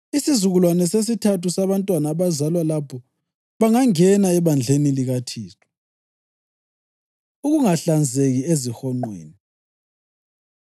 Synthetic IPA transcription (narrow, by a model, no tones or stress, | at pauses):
isizuɣulwanɛses̬itʰatusaβantʼwanaːβazalwalapʰɔ | βaŋaŋɛnaɛβand͡ɮʱeniliɣatʰiːstʰʼɔ̥ | uɣuŋaɬand͡zʱeɣiezixɔŋ͡ǃwḛːni